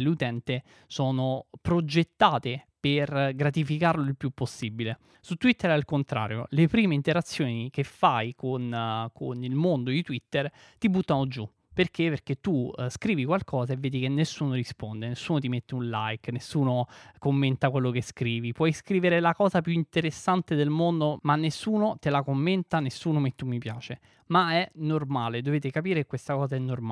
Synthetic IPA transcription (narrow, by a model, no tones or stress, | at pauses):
leut̪ɛnt̪e | soːnopɾod͡ʒet̪ːaːt̪eperɡɾat̪ifikarloilpjupːosːibile | sut̪ːwit̪ːeɾɛalkont̪ɾa̰ːɾjo̰lepɾiːmeint̪eɾat̪sːjoːnikefːajkonkʰonilmond̪od̪it̪wit̪ːer | t̪ibut̪ːanod͡ʒu | perk̟eperk̟et̪ːuskɾiːvikwalkʰɔːzaevːeːd̪ikenːesːuːnoɾispond̪enesːuːnot̪̬imet̪ːeunlajknesːuːnokomːent̪akwelːokeskɾiːvipwɔjskɾiːveɾelakɔːzapjuint̪eɾesːant̪ed̪elmond̪omanːesːuːnot̪elakomːent̪anesːuːnomet̪ːumːipjaːt͡ʃe | maɛnormaːled̪oveːt̪ekapiːɾekekːwest̪akɔːzaɛnːorma